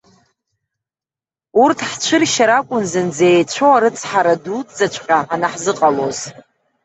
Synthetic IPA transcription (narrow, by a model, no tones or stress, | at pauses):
urtʰħt͡ʃʷʰɨrʃaɾakʷʼʊnzɨnd͡zeːjt͡ɕʷʰowaɾɨt͡sʰʼħaɾadutʼd͡zat͡ʃʷʰʼqʲʼaʕanaħzɨqʼaloz